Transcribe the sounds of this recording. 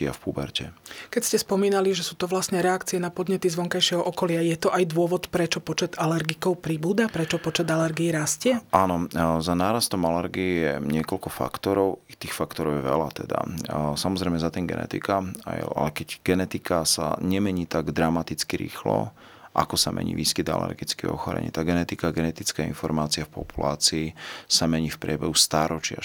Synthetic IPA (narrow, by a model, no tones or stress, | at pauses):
ɪa̰fpubɛɾcɛkɛcscɛspɔmiːnaliʒɛsuːt̪ɔʋlasɲɛɾɛakt͡siɛnapɔd̪ɲɛt̪izʋɔŋkajʃɪɛɦɔʔɔkɔlɪajɛt̪ɔʔajd̪ʊɔʋɔt̪pɾɛt͡ʃɔpɔt͡ʃɛd̪alɛɾɡikɔʊpɾibuːd̪apɾɛt͡ʃɔpɔt͡ʃɛd̪alɛɾɡiːɾascɪɛʔaːnɔzanaːɾast̪ɔmalɛɾɡiijɛɲɪɛkɔlkɔfa̰kt̪ɔɾɔʊit̪iːxfakt̪ɔɾɔʊjɛʋɛ̰la̰t̪ɛ̰d̪a̰samɔzɾɛɪmɛzat̪imɡɛ̰nɛ̰t̪ḭkaaa̰lɛkɛɟɡ̥ɛnɛt̪ikasa̰ɲɛmɛɲiːt̪aɡd̪ɾamat̪it͡skiɾḭːxlɔ̰ | ʔa̰kɔsamʔɛ̰ɲḭːʋiːskid̪a̰lɛ̰ɾɡit͡skḭɔ̰xɔɾɛ̰ɲḭːt̪aːɡɛnɛt̪ikaːɡɛnɛt̪it͡skaḭnfɔɾmaːt͡siafpɔ̰pulaːt͡siːsamɛɲiːfpɾɪɛbɛɦust̪aːɾɔt͡ʃɪa